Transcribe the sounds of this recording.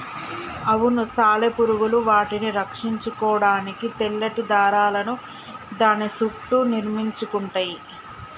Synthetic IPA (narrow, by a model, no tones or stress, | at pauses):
ɐʋunusaːlepuɾuɡuluʋaːʈiniɾɐkʂiɲt͡ʃukɔːɽaːnikit̪eɭːɐʈid̪aːɾaːlɐnu | d̪aːnisukʈuniɾmiɲt͡ʃukuɳʈɐːji